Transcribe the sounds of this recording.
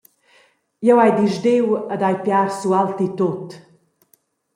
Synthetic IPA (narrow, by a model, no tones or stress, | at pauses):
jɛwajd̪iʒd̪ewəd̪ajpjaɾsualt̪it̪ot̪